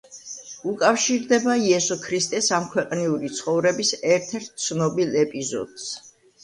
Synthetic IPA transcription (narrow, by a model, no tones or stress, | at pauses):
ukʼafʃiɾd̪ɛbaiɛsɔkʰɾist̪ʼɛsamkʰwɛqʼniuɾit̪sʰχɔvɾɛbisɛɾt̪ʰɛɾt̪̚ʰt̪sʰnɔbilˠɛpʼizɔ̰d̪̥s